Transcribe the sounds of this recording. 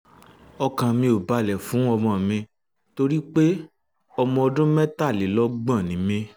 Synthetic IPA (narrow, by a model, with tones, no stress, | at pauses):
ɔ˧kã˧mĩ˧o˨ba˧lɛ˨fũ˨˦ɔ˧mɔ̃˧˨mĩ˧ | to˧ɾi˦k͡pe˦ | ɔ˧mɔ̃˧ɔ˧dũ˦mɛ̃˦ta˦˨li˨˦lɔ˦ɡ͡bã˦˨nĩ˨˦mĩ˧